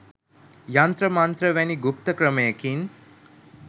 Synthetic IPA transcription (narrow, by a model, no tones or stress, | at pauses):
jant̪ɾəmant̪ɾəʋæniɡup̚t̪əkɾəməjəkin